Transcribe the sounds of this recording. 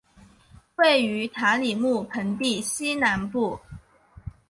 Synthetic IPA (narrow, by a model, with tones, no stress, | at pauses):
we˥˩ɪy˧˥t̪ʰa˧˥li˨˩mu˥˩pʰə˧˥ŋt̪i˥˩ɕi˥na˧˥npu˥˩